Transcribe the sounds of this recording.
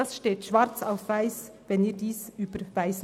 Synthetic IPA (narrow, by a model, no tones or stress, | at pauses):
ɑsʃteːtʃvaɾt͡saʊfvaɪs | vɛniːɾdiːsyːb̥əɾvaɪs